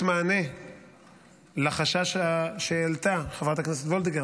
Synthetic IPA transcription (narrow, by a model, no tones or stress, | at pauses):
maːne̞ | laχaʃaʃaʃeelt̪aχavʁat̪akneset̪vold̪iɡe